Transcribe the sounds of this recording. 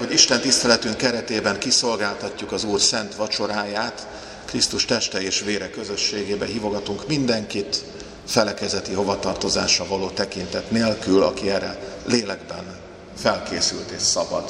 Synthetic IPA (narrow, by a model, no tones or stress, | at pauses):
ho̞ɟiʃt̪ɛnt̪ist̪ɛlɛt̪yŋkkːɛɾɛt̪eːbɛŋkiso̞lɡaːlt̪ɒcːukɒzuːrsɛnt̪ʋɒt͡ʃo̞ɾaːjaːt̪ | krist̪uʃt̪ɛʃt̪ɛeːʃʋeːɾɛkːø̞zø̞ʃːeːɡeːbɛɦiːvo̞ɡɒt̪uŋkmind̪ɛŋkit̪ | fɛlɛkɛzɛt̪iɦo̞vɒt̪ɒrt̪o̞za̰ːʃrɒvɒloːt̪ɛkint̪ɛt̪neːlkylɒ̰kiɛɾɛleːlɛɡ̚bɛ̰n | fɛlkeːsylt̪eːʃsɒbɒ̰d̪